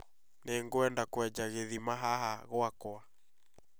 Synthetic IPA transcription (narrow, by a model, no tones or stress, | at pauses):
neŋɡoɛndakwɛd͡ʒaɣeðimaɦahaɣoakwa